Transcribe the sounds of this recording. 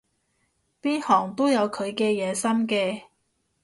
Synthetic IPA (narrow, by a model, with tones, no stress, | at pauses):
piː˥nhɔː˨˩ŋt̪o˥wjɐ˨˧wkʰɵ˨˧ɥkɛː˧jɛː˨˧sɐ˥mkɛː˧